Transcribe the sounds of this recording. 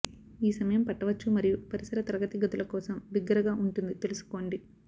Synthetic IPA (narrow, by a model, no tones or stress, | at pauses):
iːsɐmɐjɐmpɐʈːɐʋɐt͡ʃːumɐɾijupɐɾisɐɾɐt̪ɐɾɐɡɐt̪iɡɐt̪ulɐkɔːsɐmbiɡːɐɾɐɡaːʔuɳʈund̪it̪e̞lusu̥ko̞ːɳɖi